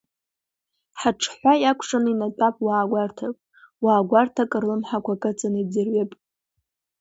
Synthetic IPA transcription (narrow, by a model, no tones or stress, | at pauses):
ħaʈ͡ʂʰħʷajakʷʰʂʼaninatʼapʼwaːɡʷartʰakʷʼ | waːɡʷartʰakʼɨrlɨmħakʷʰakʼɨt͡sʰʼanɨid͡zɨrɥapʼ